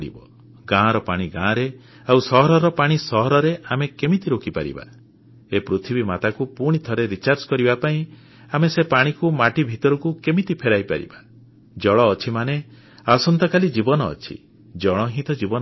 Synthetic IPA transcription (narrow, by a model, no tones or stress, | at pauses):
ɽḭbɔ | ɡãɾɔpaɽ̃iɡãːɾe | awsɔɦɔɾɔɾɔpaɽ̃isɔɦɔɾɔɾeamekemit̪iɾokʰipa̰ɾḭba̰ | epɾut̪ʰibimat̪akupuɽ̃it̪ʰɔɾeɾit͡ʃaɾd͡ʒkɔɾibapaĩ | amesepaɽ̃ikumaʈibʱit̪ɔɾɔkukemit̪ipʰeɾajpa̰ɾḭba | d͡ʒɔɭɔːt͡ʃʰimane | asɔnt̪ɔkalid͡ʒibɔnɔ̰ːt͡ʃʰḭ | d͡ʒɔɭ̃ɔɦĩt̪ɔd͡ʒibɔn